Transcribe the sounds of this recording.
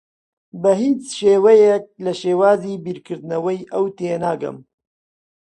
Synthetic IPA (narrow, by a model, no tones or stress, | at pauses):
bɐɦiːt͡sʃeːwɛjɛk̚lɐʃeːwaːziːbiːɾkʰɨɾd̪ɨnɐwɛjʔɐwt̪eːnaːɡɐ̰m